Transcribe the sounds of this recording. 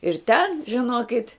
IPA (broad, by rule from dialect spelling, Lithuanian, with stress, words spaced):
ɪr tʲɛn ʒʲɪˈnoːkʲɪtʲ